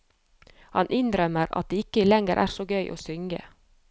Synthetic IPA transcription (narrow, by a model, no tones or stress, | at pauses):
hɑnʔɪnd̪ɾœməɾɑ̰t̪̚d̪eːɪkəlɛŋəɾʔæ̰ːɾsoːɡœʏʔo̰ːsʏŋɡə̰